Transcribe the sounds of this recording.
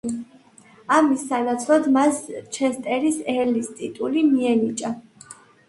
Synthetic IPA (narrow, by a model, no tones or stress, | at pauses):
amisːanat̪sʰɾɔd̪mast͡ʃʰɛst̪ʼɛɾisɛɾlist̪ʼit̪ʼulimiɛnit͡ʃʼa